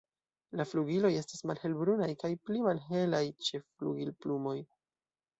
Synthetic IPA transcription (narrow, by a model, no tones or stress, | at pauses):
lafluɡilo̞je̞stasmalhe̞lbɾunajkajplimalɦe̞lajt͡ʃe̞flṵɡilplumo̞j